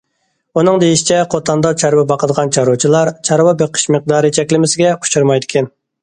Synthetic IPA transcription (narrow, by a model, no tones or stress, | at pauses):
unɨŋd̪ejiʃi̥t͡ʃʰɛqʰot̪ʰɑnd̪ɑt͡ʃʰɑɾwɛbɑqəd̪əʁɑnt͡ʃʰɑɾut͡ʃʰilˠɑɾt͡ʃʰɑɾwɑbeqʰə̥ʃmɨq̚d̪ɑːɾɨt͡ʃʰɛkʲlɪmɪsɪɡʲɛu̥t͡ʃuɾmɑjd̪ɪkʲʰɛn